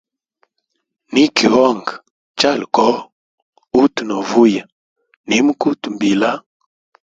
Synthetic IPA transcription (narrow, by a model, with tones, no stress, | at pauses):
ni˦ki˨wɔ˦˨ŋɡ | t͡ʃa˦˨lkɔ˦ | u˦tnɔ˨vu˦ja˨ | ni˨˦m˦ku˦tmbi˨la˦